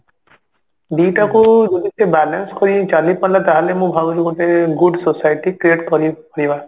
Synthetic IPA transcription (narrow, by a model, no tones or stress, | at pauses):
ɖiʈakud͡ʒɔdisebɛlanskɔɾit͡ʃalipalat̪aɦalemũbʱaɡɔɾiɡɔt̪eɡuɖsosajʈikɾieʈkɔɾipaɾiba